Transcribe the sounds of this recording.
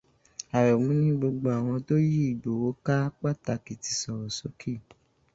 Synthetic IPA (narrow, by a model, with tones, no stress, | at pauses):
a˨ɾɛ˨mũ˨˦nĩ˦ɡ͡bo˧ɡ͡bo˧a˨w̃ɔ̃˧to˦ji˦i˨do˨˦wo˨˦ka˦k͡pa˦˨ta˧ki˨ti˧sɔ˨ɾɔ˨so˨˦kʰi˦˨